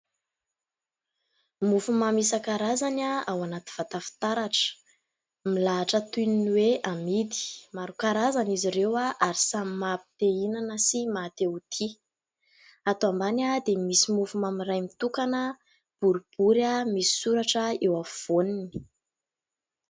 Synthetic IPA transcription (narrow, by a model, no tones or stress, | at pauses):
mufumamisakaɾazanaawanat̪i̥v̥at̪afi̥t̪aɾaʈ͡ʂə̥ | milaːʈ͡ʂət̪uninweamid̪i̥maɾukaɾazaniziɾewaʔaɾisamimapi̥t̪einanəsimat̪eut̪ʰi | at̪oambanad̪emisimufumamirajmit̪ukanə | b̥uɾub̥uɾamisi̥suɾaʈ͡ʂəewav̥onini̥